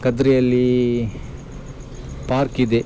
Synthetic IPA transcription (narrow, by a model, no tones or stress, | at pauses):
kɐd̪ɾɛjɐlːi | paːɾkid̪e